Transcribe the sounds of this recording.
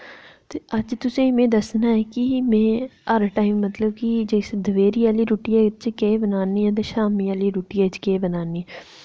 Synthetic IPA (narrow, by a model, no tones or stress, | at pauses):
t̪eɐd͡ʒt̪ʊsẽmẽd̪ɐsnaɛkimẽːaɾəʈaːɪmːɐt̪ləbkid͡ʒesd̪əʋeːɾiaːliɾuːʈiɛt͡ʃkeːbənaːniɛ̃d̪əʃaːmiaːliɾuːʈiɛt͡ʃkeːbənaːniɛ